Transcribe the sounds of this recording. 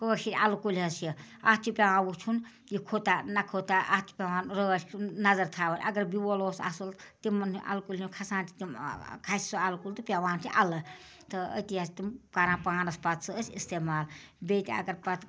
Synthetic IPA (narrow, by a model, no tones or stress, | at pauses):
koʃiɾʲɐlkulʲɐsjiɐt͡ʃ̪ʰipʲawaːwut͡ʃʰun | jikʰot̪anɐkʰot̪aʔat͡ʃ̪ʰi̥pʲaʋaːnɾət͡ʃʰʲnɐzɐɾt̪ʰaːʋɐɾʲʔɐɡɐɾbiwoloːsɐ̰sult̪imːɐnuʔɐ̰lkulʲinkʰɐsaːnt̪i̥t̪imkʰasʲi̥sɨɐlkult̪ɨpʲaʋaːnt̪ʰiʔɐlɐ | t̪ɨə̰t̪ijast̪imkɐɾãːpaːnɐspɐt̪t͡sɨəsʲist̪eːmaːl | beːt̪ʲiɐ̰ɡɐɾpɐt̪